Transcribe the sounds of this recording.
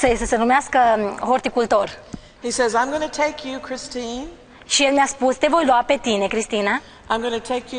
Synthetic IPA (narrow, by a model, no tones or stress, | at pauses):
sesəsenumeaskəɦort̪ikult̪o̞r | hisɛzãɪ̃mɡʌnətʰeɪkʰjukʰɹ̥ɪstĩn | ʃijelmjaspust̪e̞vo̞jluape̞t̪ine̞kɾist̪ina | ʔãɪ̃mɡʌnɨtʰeɪkʰj